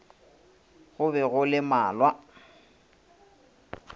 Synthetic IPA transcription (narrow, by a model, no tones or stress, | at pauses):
ɣʊbɛɣʊlɪmaːlwa